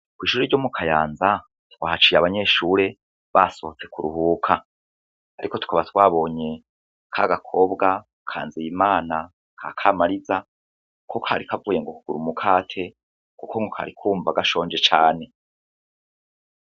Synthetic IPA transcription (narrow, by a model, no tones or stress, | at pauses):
kwiːʃuːɾeɾɟo̞ːmukʰajaːnza | twa̰ːhat͡ʃiːjaβaɲe̞ʃuːɾe̞ | βaso̞hot͡se̞kuɾuɦuːkʰa | aɾʔiko̞tu̥kaβatwaːβo̞ːɲe̞ | kʰaɡakʰo̞bɡa | kʰa̰ːnzijimaːna | kʰakʰamaɾiza | ko̞kʰaːɾikavuːje̞ŋɡo̞kuɡ̥uɾumukʰaːtʰe̞ | kuko̞ŋɡokʰa̰ɾikʰuːmvaɡaʃo̞ːɲd͡ʒe̞t͡ʃaːne̞